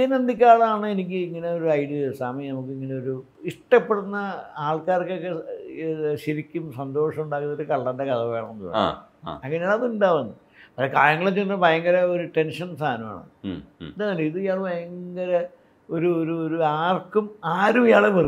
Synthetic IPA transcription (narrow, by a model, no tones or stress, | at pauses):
inɐnd̪ik̬ʲːaːɭɐaːɳɨenik̬ʲːɨiŋːɐne̞o̞ɾuɐjɽiɨsaːmɐjnɐmuk̬ːɨiŋːɐneoɾu | iʂʈɐpːeɽunːɐaːɭkaːrkːokːe | ɕiɾikʲːumsɐnd̪o̞ːʂɐmuɳɖaːkunːoɾɨkɐɭːɐndekɐðɐʋeːɭɐɐnːuɐ̰ɐŋːɐneːɭɐðuɳɖaːʋɐnːɨ | pɐʂɐkaːjɐŋːɐɭet͡ɕːinːɐbɐjɐŋɡɐɾɐoɾuʈe̞nʂɐnsaːnɐma̰ːɳɨ̰nd̪aːnɐlːeiðɨijaːɭbʱɐjɐŋɡɐɾɐ | oɾuoɾuoɾuaːrkːumaːɾumijaːɭepɐr